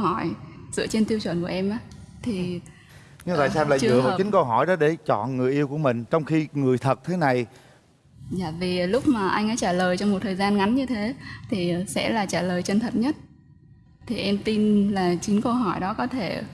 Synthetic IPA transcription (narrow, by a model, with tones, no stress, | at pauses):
hɔ˧˩jzɨ̰˧˥ət͡ɕe˧nt̪i˧əwt͡ɕwə˧˩nku˧˩əʔɛ˧mʔaː˧˦t̪ʰi˨˩ | ɲɨ˧va̰ː˨˧˨saː˧mla̰ː˧˨t͡ɕzɨ̰˧˨vaː˨˩˨t͡ɕï˨˦ŋ̟kə˧wɦɔ˧˩jɗɔ˨˦ɗe˧˩t͡ɕɔ̰˧˨nŋɨ˨˩əjʔi˧əwku˧˩əmï˨˩ŋ̟t͡ɕɔ˧wŋ͡mxi˧ŋɨ˨˩əjt̪ʰə˨˩t̚t̪ʰe˨˦na˨˩j | zaː˧˩vi˨˩lʊ˦˥k͡p̚maː˨˩ʔa˧jŋ̟ʔaː˧˦t͡ɕaː˧˩ləː˨˩jt͡ɕɔ˧wŋ͡mmo˨˩t̚t̪ʰəː˨˩jzaː˧nŋa˨˦nɲɨ˧t̪ʰe˨˦t̪ʰi˨˩sɛ̰˧˥laː˨˩t͡ɕaː˧˩ləː˨˩jt͡ɕə˧˩nt̪ʰə˨˩t̚ɲə˦˥t̚ | t̪ʰi˨˩ʔɛ˧mt̪i˧nlaː˨˩t͡ɕï˨˦ŋ̟kə˧wɦɔ˧˩jɗɔ˨˦kɔ˨˦t̪ʰe˧˩